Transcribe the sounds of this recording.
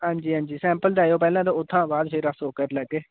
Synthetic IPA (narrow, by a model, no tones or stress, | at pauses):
ɦãːɲd͡ʒiːɦãːɲd͡ʒiːsɛ̃ːmpəld̪aːjoːpɛːlãːt̪oːʊt̪ʰːãːbaːd̪feːɾasoːkəɾlɛːkːeː